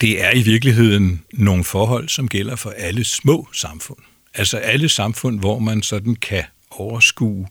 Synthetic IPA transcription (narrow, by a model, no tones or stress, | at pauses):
d̥e̝æɐiʋiɐɡ̥liɦe̝ð̰ˠn̩ːo̝ːŋ̩fɒːɦɒ̽l̰sɒ̽mɡ̥el̰ɐfɒ̽ʔæləsmɔ̰̽ːsɑ̈mfɔ̽n̰ | ælsɒ̽ʔæləsɑ̈mfɔ̽n̰ʋɒmænsɒ̽d̥n̩kʰæ | ɒʊɐsɡ̥ṵː